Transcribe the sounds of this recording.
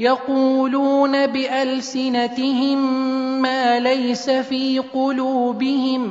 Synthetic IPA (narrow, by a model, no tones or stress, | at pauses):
jɑquːluːnabɪʔalsɪnat̪ɪhɪmːaːlajsafiːqʊluːbɪhɪm